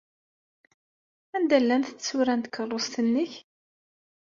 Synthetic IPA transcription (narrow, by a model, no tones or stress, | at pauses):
ænd̪ælːænθt͡sːsuɾænt̪kʰːərˤːost̪ənːəç